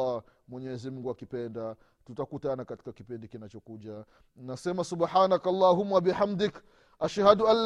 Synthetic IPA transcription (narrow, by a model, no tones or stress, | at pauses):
amwɛɲɛzim̩ɡuakipɛnda | tutakutanakati̥kakipindikinat͡ʃɔkuʄa | nnasɛmasubħaːnakalˤːaɦumːabiħamd̪ɪk | aʃhadualː